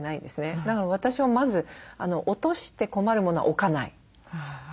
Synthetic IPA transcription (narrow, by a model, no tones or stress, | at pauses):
naid̪e̞sɨned̪akaɾaβ̞at̪aɕiβamazɨano̞ʔot̪o̞ɕi̥t̪e̞ko̞maɾɯ̟mo̞no̞a̰ʔokanaḭ